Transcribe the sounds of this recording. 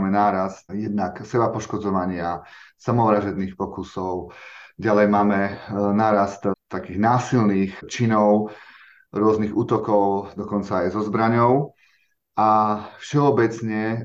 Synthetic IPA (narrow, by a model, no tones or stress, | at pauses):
mɛnaːɾast̪jɛd̪naksɛbapɔʃkɔd͡zɔʋaɲɪasamɔʋɾaʒɛd̪niːxpɔkusɔʊɟalɛjmaːmɛnaːɾast̪t̪akiːɣnaːsilniːxt͡ʃinɔʊ | ɾʊɔzniɣuːt̪ɔkɔʊd̪ɔkɔnt͡saːjzɔzbɾaɲɔʊ | afʃɛɔbɛt͡sɲɛ